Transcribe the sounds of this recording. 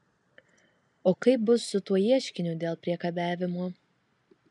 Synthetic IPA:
oːkɐɪp̚bʊsːʊt̪uɔjiɛʃʲkʲɪnʲʊːd̪ʲeːlˠpʲɾʲiɛkɐbʲæːʋʲɪmu

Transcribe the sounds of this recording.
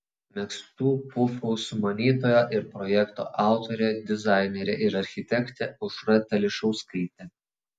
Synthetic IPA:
mʲɛkst̪uːpʊfuːsʊmɐnʲiːt̪oːjoːʔɪɾpɾɔjɛkt̪o̰ːʔɑˑʊt̪oɾʲed̪ʲɪzɑˑɪnʲɛɾʲɛʔɪɾɐɾʲxʲɪt̪ʲɛkt̪ʲɛʊʃɾɐt̪ʲɛlʲɪʃɔʊskɐɪt̪ʲɛ

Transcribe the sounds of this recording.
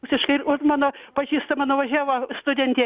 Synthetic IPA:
ksʲɪʃkɐɪɪoːmɑːnoːpɐʒʲiːst̪ɐmɑnoʋɐʒʲæːʋost̪ʊdʲɛnʲt̪ʲeɛ

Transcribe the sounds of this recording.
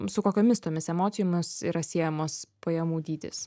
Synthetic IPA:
sʊkoːkʲoːmʲɪst̪oːmʲɪsɛmoːt̪sʲɪjoːmʲɪsḭːɾɐsʲiːɛjɛmoːspɐjɛmuːd̪ʲiːd̪ʲḛːs

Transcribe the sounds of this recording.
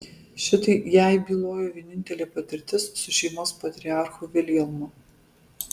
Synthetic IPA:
ʃʲɪt̪ɐɪjæˑɪbʲiːlˠoːjoːʋʲiɛnʲɪnʲt̪ʲɛlʲeːpɐt̪ʲɪɾʲt̪ʲɪsːʊʃʲɛɪmoːspɐt̪ʲɾʲɪɑˑɾxʊʋʲɪlʲiɛlˠmʊ

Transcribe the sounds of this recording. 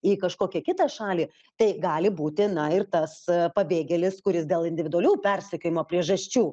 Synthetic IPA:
iːkɐʃkoːkʲɛkʲɪt̪ɑːʃɑːlʲiː | t̪ɐɪɡɑːlʲɪbuːt̪ʲɪnɐɪrt̪ɐspɐbʲeːɡʲɛlʲɪskʊɾʲɪsd̪ʲeːlˠɪnʲd̪ʲɪʋʲɪd̪ʊɐlʲuːpʲɛrʲsʲɛkʲoːjɪmoːpʲɾʲiɛʒɐsʲt͡ʃʲuː

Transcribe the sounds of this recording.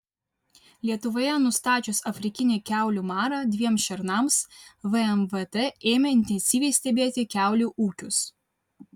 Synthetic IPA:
lʲiɛt̪ʊʋoːjɛnʊst̪ɑːt͡ʃʲʊsɐfʲɾʲɪkʲɪnʲekʲæˑʊlʲuːmɑːɾɑd̪ʲʋʲiɛmsʃʲɛɾnɐmsʋəɛmʋɛt̪ɛeːmʲɛɪnʲt̪ʲɛnʲsʲiːʋʲɛɪsʲt̪ʲɛbʲeːt̪ʲɪkʲæˑʊlʲuːʔuːkʲʊs

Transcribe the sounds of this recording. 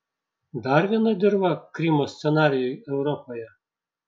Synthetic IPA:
d̪ɐɾʋʲiɛnɐd̪ʲɪɾbɐkɾʲɪmoːsʲt̪sʲɛnɑːɾʲɪjʊjɛʊɾɔpojɛ

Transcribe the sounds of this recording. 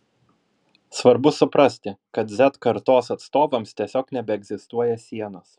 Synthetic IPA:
sʋɐɾbʊsʊpɾɐsʲt̪ʲɪkɐt̪zʲɛt̪kɐɾt̪oːsɐt̪st̪oːʋɐmst̪ʲiɛsʲoːknʲɛbʲɛɛɡzʲɪst̪uɔjɛsʲiɛnos

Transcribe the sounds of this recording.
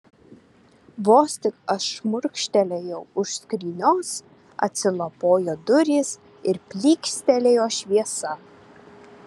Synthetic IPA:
ʋoːsʲt̪ʲɪkɐʃmʊɾʲkʃʲt̪ʲɛlʲejɛʊʊʃskɾʲiːnʲoːs | ɐ̰t̪ʲsʲɪlˠɐpoːjoːd̪ʊɾʲiːs | ɪɾpʲlʲiːksʲt̪ʲɛlʲejoːʃʲʋʲiɛsɐ

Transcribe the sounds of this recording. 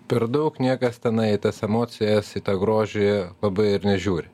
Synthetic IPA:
pʲɛɾd̪ɐʊknʲiɛkɐst̪ʲɛnɐɪɪt̪ɐsɛmoːt̪sʲɪjɛsɪt̪ɐɡɾoːʒʲɪjɛlˠɐbɐɪɪɾnʲɛʒʲuːɾʲɪ

